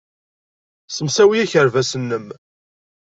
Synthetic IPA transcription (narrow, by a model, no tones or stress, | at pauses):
səmsæwijæçəɾvæsənːəm